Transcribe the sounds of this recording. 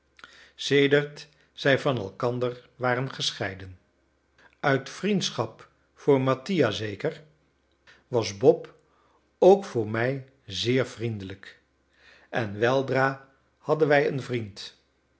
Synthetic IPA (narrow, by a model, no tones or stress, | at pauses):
sejdəɹt | sɛjvɑnɛ̰lˠkɑndəɹʋaːɾənχəsχɛjdən | œɥtfrintsχɑp | fʊːɹmɑtijazejkəɹ | ʋɑzbɔp | owkfʊːɹmɛj | zɪːɹvrindələk | ʔɛnʋɛlˠdraː | hɑdənʋɛjənvrint